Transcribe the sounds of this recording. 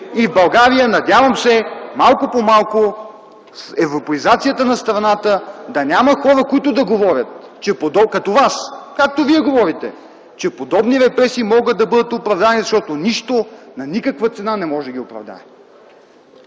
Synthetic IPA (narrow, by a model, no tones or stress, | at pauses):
ivbɐlˠɡaɾijənɐd̪ʲavɐmsɛmalˠkopomalˠko | sɛvɾopɐizat̪sijət̪ənɐst̪ɾɐnat̪əd̪ɐnʲaməxɔɾəkoit̪ʊd̪ɐɡovɔɾʲət̪̚ | t͡ʃɛpod̪ɔkɐt̪ovaskak̚t̪oviɛɡovɔɾit̪ɛ̰ | t͡ʃɛpod̪ɔbniɾɛpɾɛsiːmɔɡət̪d̪̚d̪ɐbɤd̪ət̪opɾɐvd̪anizɐʃt̪ɔt̪oniʃt̪onɐnikəkvət̪sɛnanɛmɔʒɛd̪ɐɡʲiopɾɐ̰vd̪a̰ɛ